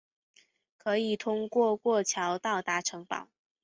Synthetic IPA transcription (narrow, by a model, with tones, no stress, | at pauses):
kʰɤ˧˥i˨˩t̪ʰʊ˥ŋkwɔ˥˧kwɔ˥˩t͡ɕʰjɑ˧˥ʊt̪ɑ˥˩ʊt̪a˧˥ʈ͡ʂʰɤ˧˥ŋpɑ̰˨˩˦ʊ